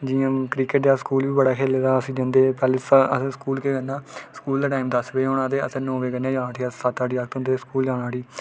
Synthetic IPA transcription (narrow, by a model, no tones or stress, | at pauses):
d͡ʒiːãːkɾiːkəʈ̚d̪aːskuːlʋiːbəɽaːkʰeːleːd̪aːəsĩːd͡ʒə̃nd̪eːpɛːleːsəsẽːskuːlkeːɡənːaːskuːld̪aːʈaːimd̪əsʋeːonãːd̪eːə̰sẽːnõːʋeːɡənːãːd͡ʒãːnãːt̪ʰiasət̪aːɖiːaːkt̪õnd̪eːskuːld͡ʒaːɽaːɽiː